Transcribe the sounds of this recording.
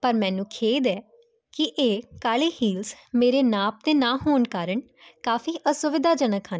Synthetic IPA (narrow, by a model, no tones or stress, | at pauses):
pəɾmɛ̃ːnũːkʰeːd̪ɛː | kɪʔeːkaːleːhiːlsmeːɾeːnãːp̚d̪eːnãːɦoːnkaːɾəɳ | kaːfiːʔəsʊʋɪd̪ʱaːd͡ʒənəkʰɦən